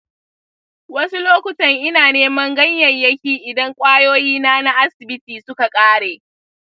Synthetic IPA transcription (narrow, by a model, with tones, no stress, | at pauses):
wɐ˦su˦loː˦kʷʊ˨tɐ˨ŋʔɪ˦naː˨neː˦mɐ˦ŋɡɐ˦ɲjɐ˨ɲjɐ˦kʲiː˨ʔɪ˨dɐ˦ŋkʷʼaː˦joː˦jiː˦naː˦na˦ʔa˦sɪ˨bɪ˦tiː˨sʊ˦ka˨kʼaː˦ɽeː˨